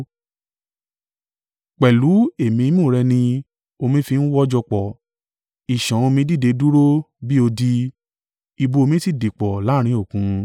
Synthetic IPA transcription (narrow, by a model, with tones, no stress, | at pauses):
k͡pɛ˨lu˨˦e˨mĩ˧˦mũ˦˨ɾɛ˧nĩ˧ | o˧mĩ˧fi˧n̩˦wɔ˦d͡ʒɔ˧k͡pɔ˨ | i˨ʃã˨o˧mĩ˧˦di˦˨de˨˧du˦ɾo˦bi˦o˧di˧ | i˧bo˧o˧mĩ˧˦ti˦˨di˨k͡pɔ˨la˨˦ɾ̃ĩ˧˦o˦˨kũ˨˦